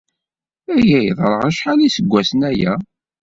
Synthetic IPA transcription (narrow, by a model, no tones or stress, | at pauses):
æjæjðˤɾˤəʁəʃħalæisəɡʷːæsənæjæ